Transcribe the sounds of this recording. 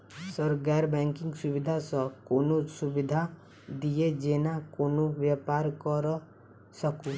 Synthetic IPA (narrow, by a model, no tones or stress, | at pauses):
səɾɡɛːɾbɛ̃ːŋkɪ̃ŋɡsʊbɪd̪ʱasə̃koːnosubɪd̪ʱa | d̪ied͡ʒeːnakoːnoʋjəpaːɾkəɾ | səku